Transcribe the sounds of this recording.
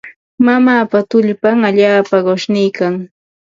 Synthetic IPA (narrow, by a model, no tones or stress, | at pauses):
mamaːpat̪ʊʎpaŋaʎaːpaɢoʃnɪjkaŋ